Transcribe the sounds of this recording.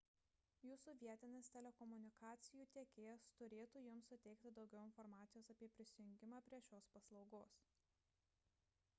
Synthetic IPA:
juːsuːʋʲiɛt̪ʲɪnʲeːst̪ʲɛlʲɛkɔmʊnʲɪkɑːt̪sʲɪjuːt̪ʲiɛkʲeːjɛst̪ʊɾʲeːt̪uːjʊmsːʊt̪ʲɛɪk̚t̪ʲɪd̪ɒʊɡʲɛʊɪnfɔɾmɑːt̪sʲɪjoːsɐpʲiɛpʲɾʲɪsʲɪjʊŋʲɡʲɪmɑːpʲɾʲiɛʃʲoːspɐslˠɒʊɡoːs

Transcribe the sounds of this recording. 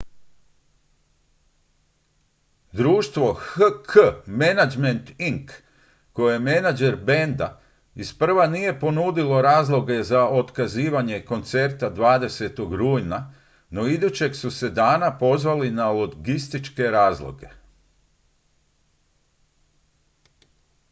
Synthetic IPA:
d̪ɾuːʃt̪ʋo̞xəkʰəmenad͡ʒme̞nt̪iŋkː | o̞jejemenad͡ʒe̞ɾbe̞nd̪a̰ | ispr̩ʋanije̞po̞nud̪ilo̞ɾaːzlˠo̞ɡe̞zao̞t̪kaziːʋaɲe̞ko̞nt̪se̞ɾt̪ad̪ʋaːd̪e̞se̞t̪oɡɾuːjna | no̞id̪ut͡ɕe̞ksuse̞d̪aːnapo̞zʋalinaloɡist̪it͡ʃke̞ɾaːzlˠo̞̰ɡe̞̰

